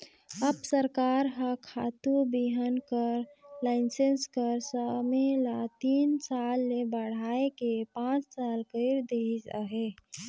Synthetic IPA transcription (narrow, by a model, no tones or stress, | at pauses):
əbsəɾkaɾɦəkʰat̪ubiɦənkəɾlaɪnsenskəɾsəmelat̪insalːebəɽ̤aekepãt͡ʃsalkəɪɾd̪eid͡ʒa̰ɦe